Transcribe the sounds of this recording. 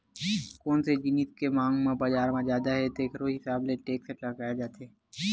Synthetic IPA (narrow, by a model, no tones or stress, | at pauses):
koːnsed͡ʒɪnit̪kemãːŋɡmẽbad͡ʒaːɾmãd͡ʒjaːd̪aɦɛt̪oeːkɾoːɦɪsaːbleʈeːkseʈlɐɡaːjed͡ʒaːt̪eː